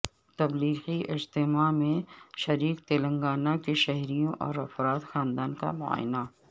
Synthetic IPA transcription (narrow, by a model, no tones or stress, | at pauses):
t̪ɐbliːxiʔɪd͡ʒt̪ɪmamẽʃɐɾiːkt̪eːlɐ̃ŋɡaːnakeʃɛɦɾijõʔɔ̰ːɾɐfɾaːt̪xaːnd̪aːnka̰mʊa̰ːjɪna